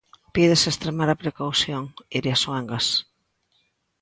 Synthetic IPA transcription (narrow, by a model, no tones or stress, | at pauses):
piðesest̪ɾemaɾɐpɾekawθjoŋiɾjaswɛŋɡɐs